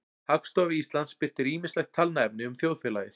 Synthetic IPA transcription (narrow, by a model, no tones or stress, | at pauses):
hakst̪ɔvɪist̪lant̪spɪr̥t̪ɪɾiːmɪnslɛx̚t̪ʰalnaɛp̚nɪʏmθjoːwðfɛːlajɪθ